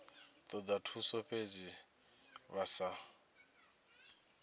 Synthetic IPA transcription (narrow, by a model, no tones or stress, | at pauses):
t̪ʼɔd̪atʰusɔɸed͡zi | βasa